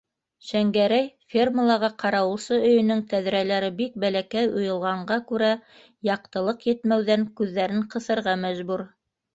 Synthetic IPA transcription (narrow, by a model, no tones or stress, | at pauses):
ʃæŋɡæɾæjfʲerməlˠɑʁɑqʰɑɾɑwɤ̆lˠsɤɵ̆jɵ̆nɵŋt̪æðɾælæɾɘbik̚bælækæjŏjɤ̆lˠʁɑɴɢɑkʉɾæ | jɑq̚t̪ɤ̆lˠɤqjɘ̆t̪mæwðæŋkʉðːæɾɘɴqɤ̆θɤ̆ɾʁɑmæʒbuɾ